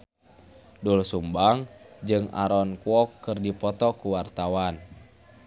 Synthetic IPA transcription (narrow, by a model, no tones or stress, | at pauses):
dulsumbaŋd͡ʒɨŋa̰ɾɔnkuɔkːɨrdipɔt̪ɔkuwart̪awan